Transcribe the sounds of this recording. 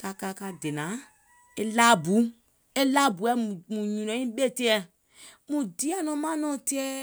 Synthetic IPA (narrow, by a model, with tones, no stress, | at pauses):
ka˧ka˧ka˧de˨nã˨˦ | e˦la˦bu˨˦ | e˦la˦bu˨ɛ˦˨mũ˨ɲũ˨nɔ̃˨˦ĩ˦ɓe˦˨te˦ɛ˨ | mũ˨di˨˦ɛ˦nɔ̃˨˦mã˦nɔ̃˦˨te˦ɛ˦